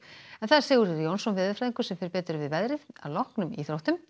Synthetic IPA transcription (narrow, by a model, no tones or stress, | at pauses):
ɛnθaðɾ̥sɛːɣʏɾɾjownsɔnvɪːðafɾaːðiŋkʏ̥sɛmfɪɾɪɾpɛːt̪ɾʏvɪðvɛðɾɪða̰ðlɔhknʏmiθɾowht̪ʏm